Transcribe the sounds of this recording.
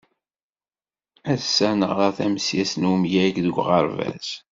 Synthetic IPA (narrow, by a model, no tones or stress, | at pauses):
æðsænə̰ʁæθæmsjæsnumjæɡðəɡʷʁəɾvæ̰z